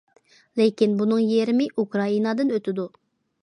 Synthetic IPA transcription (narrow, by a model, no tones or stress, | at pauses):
lekʲinbunɨŋjeɾɪmɪʔukɾɑinɑd̪ɨnøt̪ʰɪd̪u